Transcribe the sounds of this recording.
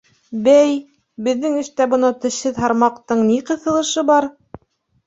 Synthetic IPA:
bæj | bɘ̆ðːɘŋɘ̆ʃt̪æbɤ̆nɤt̪ɵ̆ʃhɘðɦɑɾmɑqt̪ɤɴniqɤ̆θɤ̆lˠɤ̆ʃɤbɑɾ

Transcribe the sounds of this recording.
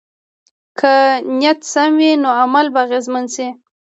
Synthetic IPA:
kʰanjat̪samwinoamalbaaɣezmansi

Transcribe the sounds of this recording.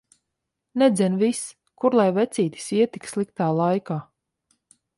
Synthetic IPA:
nɛd̪zʲɛnvis | kuɾlˠajvɛt̪sʲiːt̪i̥siɛt̪i̥kslˠikt̪aːlˠajkaː

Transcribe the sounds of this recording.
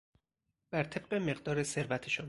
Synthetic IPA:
b̥æɾt̪ʰe̞b̥̚ɢeme̞ɢd̪ɒːɾese̞ɾvæt̪ʰeʃon

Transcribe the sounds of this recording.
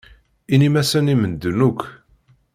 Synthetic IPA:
inimæsənimənd̪unukʷʰː

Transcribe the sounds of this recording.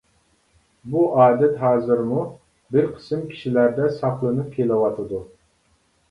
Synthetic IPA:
buʔɑːd̪ɛt̪ɦɑːzɨɾmu | bɪɾqʰə̥sɨmkʲʰi̥ʃilæɾd̪ɛsɑχlˠɨnɨp̚kʲʰelɪwɑt̪ʰɨd̪u

